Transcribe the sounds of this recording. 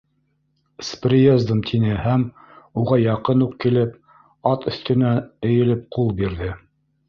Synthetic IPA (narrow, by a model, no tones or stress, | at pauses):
sprʲiezd̪ə̆mt̪ʰinɘhæm | uʁɑjɑqɤnuqkilɘp̚ | ɑt̪ɵ̆θt̪ɘ̆næɘ̆jɘ̆lɘp̚qulˠbiɾðɘ